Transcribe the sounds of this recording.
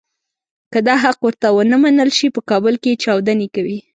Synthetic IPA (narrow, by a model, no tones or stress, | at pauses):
kəd̪ɑɦaqwəɾt̪awənəmanəlʃipəkɑbəlket͡ʃɑwd̪anekawi